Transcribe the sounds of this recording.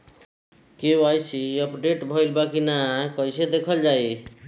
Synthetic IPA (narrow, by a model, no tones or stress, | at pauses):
kebajsiəpɖeʈbʱəjlbakinakəjsed̪ekʰəld͡ʒaj